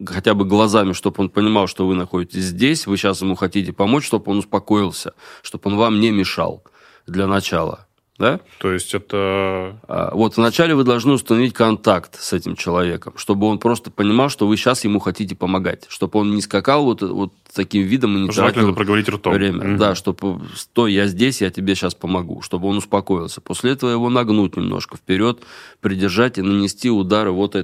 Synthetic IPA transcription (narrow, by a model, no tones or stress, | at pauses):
xɐtʲabɨɡlˠɐzamʲɪʂt̪o̞po̞npənʲɪmɑlˠʂt̪o̞vɨnɐxo̞dʲɪtʲɪsʲzʲdʲesʲvɨɕːasjɪmuxɐtʲitʲɪpɐmot͡ɕʂt̪o̞bo̞nʊspɐko̞ɪlˠsʲəʂt̪o̞po̞nvamnʲɪmʲɪʂɑ̰lˠ | d̪lʲənɐt͡ɕa̰lˠə̰ | d̪a | t̪ojɪsʲtʲɛt̪əa̰vo̞t̪vnɐt͡ɕælʲɪvɨd̪ɐlˠʐnɨʊst̪ənɐvʲit̚ʲkɐnt̪akt̪sɛtʲɪmt͡ɕɪlˠɐvʲe̞kəmʂt̪o̞bɨo̞npɾo̞st̪ə̥pənʲɪmɑlˠʂt̪ovɨɕːasjɪmuxɐtʲitʲɪpəmɐɡa̰tʲʂt̪o̞bo̞nnʲɪskɐkalˠvo̞t̪vo̞t̪ | t̪ːɐkʲimvʲid̪əmɨnʲɪʐɨatlnpɾəɡəvɐɾʲit̪ʲrt̪ovmɾʲemʲə̰d̪aʂt̪o̞pst̪o̞jjazʲdʲesʲjatʲɪbʲeɕaspəmɐɡṵʂt̪o̞bɨo̞nʊspɐko̞ɪlˠsʲə̥po̞sʲlʲɪɛt̪əvəjɪvo̞nɐɡnutʲnʲɪmnʔo̰ʂkəfpʲɪɾʲo̞t̪pɾʲɪdʲɪrʐatʲɪnənʲɪsʲtʲiʊd̪aɾɨvo̞t̪ɛ